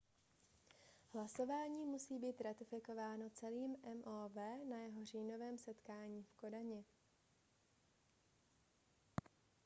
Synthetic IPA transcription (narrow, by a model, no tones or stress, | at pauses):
hlaso̞vaːɲiːmusiːbiːt̪ɾat̪ɪfɪko̞vaːno̞t͡sɛliːmʔɛmʔoːvɛːnajɛɦo̞r̝iːno̞vɛːmsɛt̪kaːɲiːfko̞daɲɪ